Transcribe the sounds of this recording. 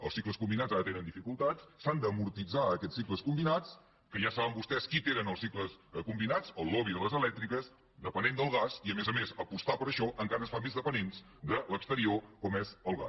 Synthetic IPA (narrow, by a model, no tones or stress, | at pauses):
ə̰lˠsikləskumbinazaɾət̪enənifikulˠt̪at͡ssand̪əmuɾt̪id͡zaəkɛt͡sːikləskumbinat͡s | kəʒasaβəmbust̪ɛskit̪enənəlˠsikləskumbinat͡səlˠːɔβiðələzəlɛk̚t̪ɾikəs | d̪əpənend̪əlˠɣasiəmɛzəmezəpust̪apəɾəʃɔʔəŋkaɾəsfamezðəpənens | d̪ələkst̪əɾiokɔmɛzəlˠɣa̰